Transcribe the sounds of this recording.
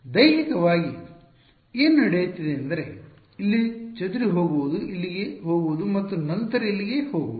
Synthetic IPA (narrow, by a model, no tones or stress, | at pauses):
d̪ɐjnikɐʋaːɡi | eːnnɐɽejut̪ːid̪e̞ɐnd̪ɐɾe̞ | ilːit͡ʃɐd̪uɾiɦo̞ːɡuʋud̪uʔilːiɡeɦo̞ːɡuʋud̪umɐt̪ːunɐnt̪ɐɾɐilːiɡe̞hoːɡuʋuu